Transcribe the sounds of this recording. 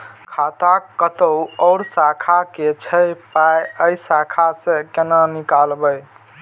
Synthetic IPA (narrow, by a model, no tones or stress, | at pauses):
kʰat̪akːət̪əɔʊɾsakʰaket͡ʃʰəjpajəjsakʰasẽkenanikalbəj